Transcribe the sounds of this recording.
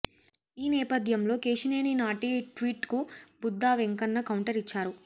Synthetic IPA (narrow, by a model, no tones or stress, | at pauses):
iːnɛːpɐd̪ʱjɐmlo̞ːkeːʃineːninaːʈiʈʋiːʈkubud̪ːaːʋeŋkɐnːɐkɐwɳʈɐɾit͡ʃːaːɾu